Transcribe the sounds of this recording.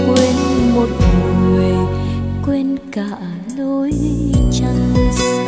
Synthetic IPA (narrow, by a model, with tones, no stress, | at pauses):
kwe˧nmo˨˩t̚mu˨ŋwe˨˩kwe˧nka˧˨ | lo˧˦jt͡ɕa˧ŋ